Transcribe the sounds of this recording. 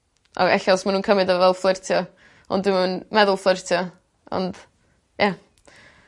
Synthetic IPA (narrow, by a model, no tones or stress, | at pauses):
ʔɔ̰ɛ̰ɬɔsmanuːnkʰəmɪdɔvɛlˠflˠɪrtʰjɔ | ɔ̰ndɪmanmɛðʊlˠflˠɪrtʰjɔ | ɔ̰nd̥ | jɛ